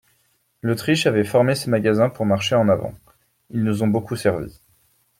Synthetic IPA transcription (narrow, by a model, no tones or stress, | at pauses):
lot̪χiʃavɛfɔʁmesemaɡazɛ̃puʁmaʁʃeɑ̃navɑ̰̃ | ilnuzɔ̃bokusɛʁvḭ